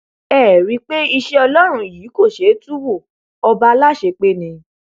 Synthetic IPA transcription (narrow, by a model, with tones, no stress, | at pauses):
ɛː˦˨ɾi˨˧k͡pe˦i˧ʃe˦ɔ˧lɔ˦ɾ̃ũ˧jiː˨˦ko˦˨ʃe˨˦tu˦wo˦˨ | ɔ˧ba˦la˦˨ʃe˧k͡pe˦nĩ˧